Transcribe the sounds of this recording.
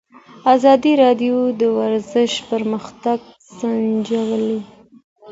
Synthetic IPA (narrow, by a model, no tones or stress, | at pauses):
ɑzɑd̪iɾɑɖjod̪əwaɾzəʃpəɾməxt̪aɡ | z̥and͡ʒawəle